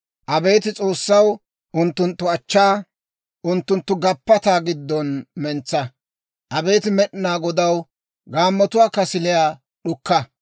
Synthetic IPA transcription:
ʔɐbe̞ːt̪ɪt͡sʼo̞ːsːɐw | ʔʊnt̪ːʊnt̪ːʊɐt͡ʃːaː | ʔʊnt̪ːʊnt̪ːʊɡɐpːɐt̪aːɡɪd̪ːɔnmɛnt͡sːɐ | ʔɐbe̞ːt̪ɪmɛɗɪnaːɡɔd̪ɐw | ɡaːmːɔt̪ʊwaːkɐsɪlɪjaː | ɗʊkːɐ

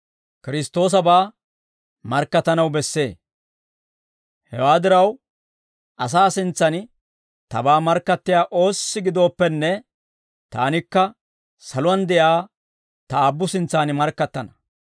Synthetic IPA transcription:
kɪɾɪst̪o̞ːs̬ɐbaː | mɐɾkːɐt̪ːɐnɐwbɛsːe̞ː | hɛ̰waːd̪ɪɾɐw | ʔɐs̬aːsɪnt͡sːɐn | t̪ɐ̰baːmɐɾkːɐt̪ːɪjaːʔo̞ːsːɪɡɪd̪o̞ːpːɛnːɛ | t̪a̰ːnɪkːɐ | sɐlʊwɐnd̪ɛʔjaː | t̪ɐaːbːʊsɪnt͡sːaːnɪmɐɾkːɐt̪ːɐnɐ̥

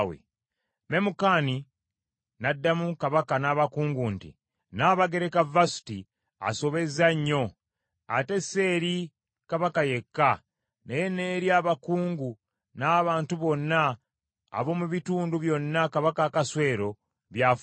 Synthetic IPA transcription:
wḛ | me̞mukaːni | nadːamukaβakanaːβakuːŋɡuntḭ | naːβaɡe̞ɾekavasu̥ti | a̰so̞βe̞zaɲːo̞ | a̰te̞se̞ːɾi | kaβakaje̞kːa | nejene̞ːɾjaːβakuːŋɡu | naːβaːntuβo̞nːa̰ː | βo̞muβituːnduβjo̞nːakaβakakaswe̞ːɾo̞ | βja

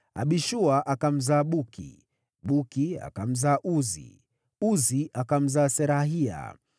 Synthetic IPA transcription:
a̰ɓiʃuaʔakam̩zaːɓukʰḭ | ɓukia̰kam̩zaːʔuzḭ | uziakam̩zaːsɛɾaɦia̰

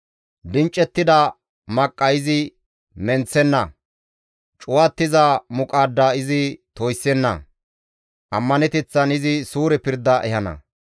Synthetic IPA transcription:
d̪ɪnt͡ʃʼːɛt̪ːɪd̪ɐ | mɐkʼːɐɪzɪ | mɛnt͡sːɛnːɐ̰ | t͡ʃʼʊwat̪ːɪzɐmʊkʼaːd̪ːaːɪzɪt̪ojsːɛnːɐ̰ | ʔɐmːɐnɛt̪ɛt͡sːɐnɪzɪsuːɾɛpɪɾd̪ːɐʔɛhɐnɐ̰

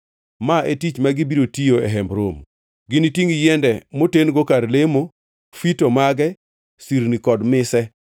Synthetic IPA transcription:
maʔetit͡ʃmaɡibiɾotijoɛɦɛmbɾo̰m | ɡɪnitiŋjɛndɛmotenɡokaɾlemo | fitomaɡɛ | siɾnikɔdmɪsɛ

